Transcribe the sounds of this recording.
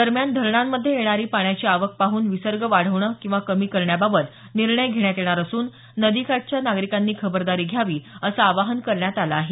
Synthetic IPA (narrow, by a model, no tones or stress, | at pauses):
d̪əɾmjand̪ʱəɾɳamːəd̪ʱːjejeɽ̃aɾiːpaɳjat͡ɕiːaʋək̚paɦuːnʋisəɾɡəʋaɽ̤əʋɳəkĩw̃ʋakəmiːkəɾɳjababət̪ | niɾɳəjɡʱeɽ̃jat̪jeɽ̃aɾəsuːnː | əd̪ikaʈ̚t͡ɕjanaɡɾikanːiːkʰəbəɾd̪aɾiːɡʱjaʋiːəsaːʋaɦənkəɾɳjat̪alaːɦe